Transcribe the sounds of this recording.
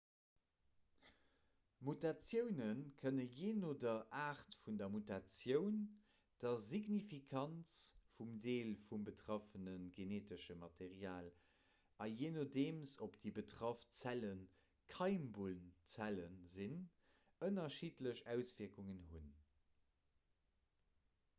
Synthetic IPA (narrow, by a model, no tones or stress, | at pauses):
mutat͡sjəʊnənkʰənəjeːnoːdɐʔaːχtfundɐmutat͡sjəʊn | d̥ɐziɡnifikʰɑnt͡sfumdeːlfumbətʁɑfənənɡeneːtəʃəmɑtʰeʁiaːl | ɑjeːnodeːmsopd̥ibətʁɑft͡sælən | kʰɑɪmbulnt͡sælənzin | ənɐʃiːtləɕæʊsviːɐkuŋənɦun